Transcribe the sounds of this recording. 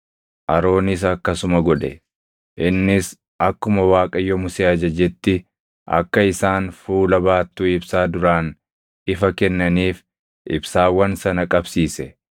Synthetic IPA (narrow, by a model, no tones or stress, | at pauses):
ʔɐɾo̞ːnɪs̬ɐkːɐsʊmɐɡɔᶑɛ | ʔɪnːɪs | ʔɐkːʊmɐwaːkʼɐjɔmʊseːɐd͡ʒɐd͡ʒɛt̪ːɪ | ɐ̰kːɐɪsaːnfuːlɐbaːt̪ːuɪbsaːd̪ʊɾaːn | ɪfɐkɛnːɐniːf | ʔɪ̰bsaːwɐnsɐnɐkʼɐbsiːsɛ